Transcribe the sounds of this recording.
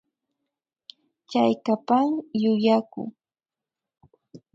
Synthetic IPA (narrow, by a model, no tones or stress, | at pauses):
t͡ʃajkapaŋjʊjakʊ̰ŋ